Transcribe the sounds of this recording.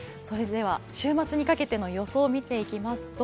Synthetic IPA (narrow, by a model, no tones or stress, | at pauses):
so̞ɾe̞d̪e̞β̞aɕɨːmat͡sɨɲ̟ikake̞t̪e̞no̞jo̞so̞ːmʲit̪e̞ikʲimasɨ̥t̪o